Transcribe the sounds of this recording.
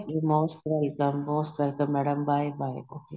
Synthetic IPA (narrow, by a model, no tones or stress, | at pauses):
imoːsʈʋɛlkə̃mmoːsʈʋɛlkə̃mːɛɖə̃mbaɪbaɪoːkeː